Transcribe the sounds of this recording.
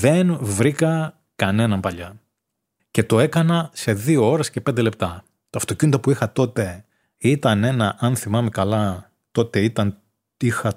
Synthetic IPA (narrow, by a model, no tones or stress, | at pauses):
ðe̞nvɾikɐ | kɐne̞nɐmpɐʎɐ | ce̞t̪o̞e̞kɐnɐse̞ðio̞o̞ɾe̞sce̞pnd̪e̞le̞p̚t̪ɐ | t̪oɐft̪o̞cinot̪ɐpuixɐt̪o̞t̪e̞ | it̪ɐne̞nɐʔɐnθimɐme̞kɐlɐ | t̪o̞t̪e̞it̪ɐn | ixɐ